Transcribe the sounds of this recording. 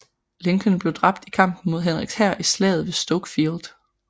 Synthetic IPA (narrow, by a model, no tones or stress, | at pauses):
le̝ŋɡ̥ʰənb̥le̝ʊd̥ʁɑ̈b̥̚d̥ikʰɑ̈m̰b̥n̩mo̝ð̞̰ˠɦenʁiɡ̥shæɐ̰ʔislɛ̰ːð̞̩ˠʋe̝sd̥ɔɡ̥fild̥